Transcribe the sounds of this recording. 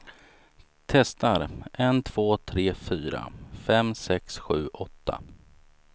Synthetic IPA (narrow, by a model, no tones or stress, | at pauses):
t̪ʰɛst̪aɾʔɛnt̪ʰv̥oːt̪ʰɾeːfyːɾa̰fɛmsɛksɧʉ̟ːʔɔt̪ʰːa̰